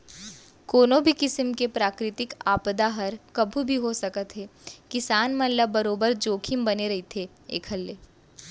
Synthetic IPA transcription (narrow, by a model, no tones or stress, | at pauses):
koːnõbʱikɪsəmkepɾaːkɾɪt̪ɪkaːpd̪aɦɐɾkɐbʱubʱiɦosɐkət̪ɦeːkɪsaːnmɐ̃labɐɾoːbəɾd͡ʒoːkʰimbɐneɾɐɦit̪ʰe | ḛːkʰɦɐlːeː